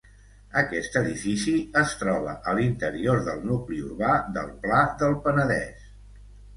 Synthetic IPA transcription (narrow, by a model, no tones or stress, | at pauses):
əkɛst̪əðifisiəst̪ɾɔβ̞əʔəlint̪əɾioɾðəlˠnukliuɾβaðə̰lˠplaðəlˠpənəðɛ̰s